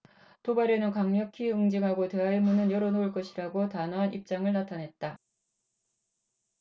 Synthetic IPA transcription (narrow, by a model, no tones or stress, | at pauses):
tobaɾenɯnkaŋɲjʌkʰiɯŋd͡ʑiŋɦaɡote̞ɦaiɭmunɯnjʌɾʌnoɯɭk͈ʌɕʰiɾaɡotanoɦanʔip̚t͡ɕ͈aŋɯɭnatʰanɦe̞t̚t͈a